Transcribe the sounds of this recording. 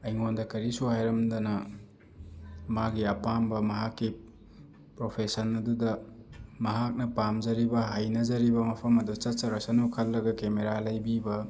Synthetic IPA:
ɐjŋondɐkɐɾisuɦajɾɐmdɐnɐ | maɡiɐpambɐmɐɦakːi | pɾopʰesɐnɐdudɐmɐɦak̚nɐpamzɐɾibɐɦajnɐzɐɾibɐmɐpʰɐmɐdut͡ʃɐt̚t͡ʃɐɾɐsɐnukʰɐlːɐɡɐkemeɾalɐjbibɐ

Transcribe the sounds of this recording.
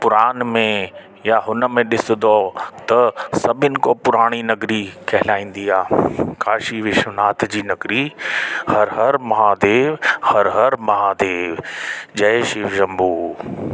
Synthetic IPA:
pʊɾaːnmẽ | jaɦʊnə̆mẽɗɪsɪd̪ot̪ɐsɐbʱɪnɪ̆kopʊɾaːɽ̃inɐɡɾikʰɐɦɪlaːĩːn̆d̪iaːkʰaːʃiʋɪʃʊnaːt̪ʰd͡ʑiːnɐɡɾihɐɾɦɐɾmɐɦaːd̪eːʋhɐɾɦɐɾmɐɦaːd̪eːʋd͡ʑɐeʃɪʋʒɐ̃mbuː

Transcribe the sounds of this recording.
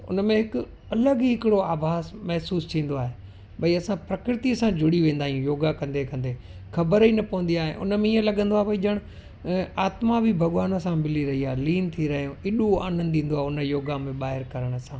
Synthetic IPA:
ʊ̰nmẽɦɪkʊ | ɐləɡɦɪkɪɽoaːbʱaːzmɛɦsuːst̪ʰĩːn̆d̪oaːɦe | bɐiɐsãpɾɐkɾɪt̪iɐsãd͡ʑʱʊɽiʋẽːnd̪aːɦijũjoːɡakɐ̃nd̪ekɐ̃nd̪e | xʰɐbəɾɦinɐpɐʋə̃n̆d̪iaːɦeʔʊ̰nəmẽiə̃lɐɠə̃nd̪oaːbɐid͡ʒɐɽ̃ | aːt̪mabʱibʱɐɠʋaːnəsãmɪliɾɐɦiaːeliːnt̪ʰiɾɐɦijũɪɗua̰ːnə̃nd̪ĩːn̆d̪oaːʊnəjoːɡamẽɓaːɦɪɾkɐɾəɽ̃sãː

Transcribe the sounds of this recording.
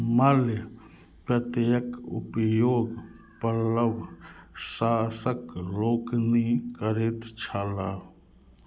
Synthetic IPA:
mɐljə | pət̪jəkṵpjoːɡ | pələʋsaːsəkloːknikəɾet̪t͡ʃʰala

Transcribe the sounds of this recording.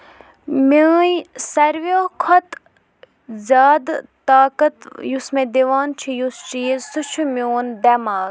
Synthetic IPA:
meːjsɐɾʋoːkʰɐt̪ | zaːd̪t̪ːaːkət̪jusmẽd̪eʋaːnt͡ʃʰijust͡ʃisut͡ʃʰumʲoːnd̪ɐmaːɡ

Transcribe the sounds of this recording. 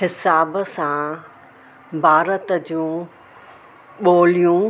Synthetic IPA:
ɦɪsaːbsã | bʱaːɾət̪əd͡ʑũː | ɓoːlijũ

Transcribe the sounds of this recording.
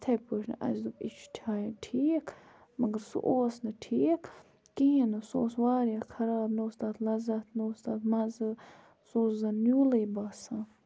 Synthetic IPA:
t̪ʰɐpoʃnɨ̰ʔɐ̰zd̪upit͡ʃʰtʰaːjɐʈʰiːkʰ | mɐɡɐɾsṵʔoːsnɨʈʰiːkʰ | kiɦĩnɨso̰ːsʋaːɾjakʰɐɾaːbnoːst̪aːt̪ʰlɐzɐt̪ʰnoːst̪aːt̪mɐzɨ | soːszɐnjuːlɐbaːsãː

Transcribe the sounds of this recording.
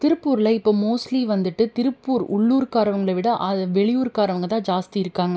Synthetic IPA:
t̪ɪɾɯpːuːɾɪlɐɪpːoːmoːsliʋɐnd̪ɯʈːɯt̪ɪɾɯpːuːɾʊ̰ɭːuːɾkaːɾɐʋɐŋɡɐɭɐʋɪɽɐʔɐʋɛɭɪjuːɾkaːɾɐʋɐŋɡɐt̪ãːd͡ʒaːst̪iɪɾɯkːaːŋɡɐ

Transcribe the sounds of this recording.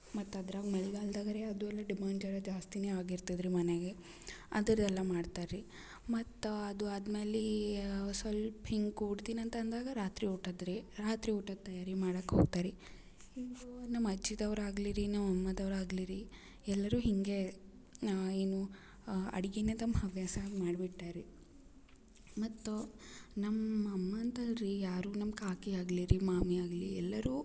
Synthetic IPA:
mɐt̪ːɐd̪ɾaːɡmɐɭiɡaːld̪aːɡɐɾeɐd̪uɛlːɐɖimaːnd͡ʒɐɾɐd͡ʒaːst̪ineaːɡiɾt̪id̪ɾimɐneɡe̞ | ɐd̪ɐɾd̪ɛlːɐmaːɖt̪aːɾɾi | mɐt̪ːɐd̪uaːd̪meːli | sɐlphiŋɡuːɽt̪iːnɐnt̪ɐɐnd̪aːɡɐɾaːt̪ɾiuːʈɐd̪ɾiɾaːt̪ɾiuːʈɐt̪ːɐjaːɾimaːɽɐkːeɦoːɡ̚t̪aːɾi | iːɡunɐmːɐd͡ʒːid̪ɐʋɾaːɡliɾinɐmɐmːɐd̪ɐʋɾaːɡliɾi | ɛlːɐɾuːɦiŋɡe̞ | eːnu | ɐ̰ɽiɡenet̪ɐmːɦɐʋjaːsɐmaːɖbiʈːaːɾi | mɐt̪ːunɐmːɐmːɐnt̪ɐɾijaːɾuːnɐmkaːkiaːɡliɾimaːmiaːɡliɛlːɐɾuː

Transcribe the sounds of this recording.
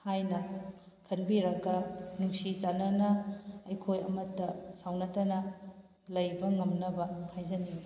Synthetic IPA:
hajnɐ | kʰɐnbiɾɐɡɐnuŋsit͡ʃanɐnɐɐjkʰojɐ̰mɐtːɐsawnɐtɐnɐ | lɐjbɐŋɐmnɐbɐhajzɐni

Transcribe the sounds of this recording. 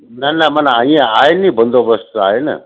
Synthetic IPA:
nɐnɐmɐnaĩãaːenĩbənd̪ʱobəst̪a̰ːenɐ̰

